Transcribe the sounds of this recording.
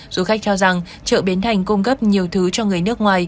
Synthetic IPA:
zu˨˦xa˦˥k̟̚t͡ɕɔ˧wza˨˩ŋ | t͡ɕə̰ː˧˨ɓi˨˦nt̪ʰa˨˩jŋ̟ku˧ŋ͡mkə˦˥p̚ɲi˨˩əwt̪ʰɨ˨˦t͡ɕɔ˧ŋɨ˨˩əjnɨ˦˥ək̚ŋwaː˨˩j

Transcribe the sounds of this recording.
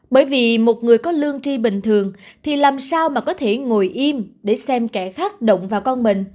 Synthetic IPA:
ɓəː˧˩jvi˨˩mo˨˩t̚ŋɨ˨˩əjkɔ˨˦lɨ˧əŋt͡ɕi˧ɓï˨˩ŋ̟t̪ʰɨ˨˩əŋt̪ʰi˨˩laː˨˩msaː˧wmaː˨˩kɔ˨˦t̪ʰe˧˩ŋo˨˩jʔi˧mɗe˧˩sɛ˧mkɛ˧˩xaː˦˥k̚ɗə̰˧˨wŋ͡mvaː˨˩wkɔ˧nɓï˨ŋ̟

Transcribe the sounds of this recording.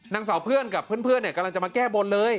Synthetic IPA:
na˧ŋsaː˩˦wpʰɯ˥˩ənka˨˩pʰːɯː˥˩˨npʰɯ˥˩ənːi˥˩ka˧lŋt͡ɕa˨˩maː˧kɛː˥˩bo˧nlɤː˧j

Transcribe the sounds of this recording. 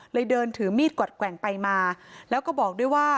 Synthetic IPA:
lɤː˧jdɤː˧nt̪ʰɯː˩˦miː˥˩t̪̚kwa˨˩t̪̚kwɛ˨˩˦ŋpa˧jmaː˧lɛː˦˥wkɔː˥˩bɔː˨˩k̚duː˥˩əjwaː˥˩

